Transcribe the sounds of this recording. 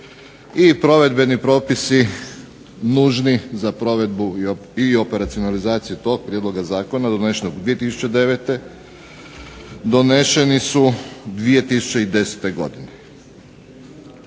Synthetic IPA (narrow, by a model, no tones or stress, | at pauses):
ipɾo̞ʋe̞d̪be̞nipɾo̞ːpisi | nuʒnizapɾo̞ʋe̞d̪buio̞pe̞ɾat̪sijonalizaːt̪sijut̪o̞ɡ̚pɾʲjed̪lo̞ɡazaːko̞nad̪one̞ʃenoɡd̪ʋije̞t̪isu̥t͡ɕed̪e̞ʋet̪e̞ | d̪o̞ne̞ʃe̞nisud̪ʋije̞t̪isu̥t͡ɕe̞id̪e̞set̪e̞ɡo̞̰d̪ine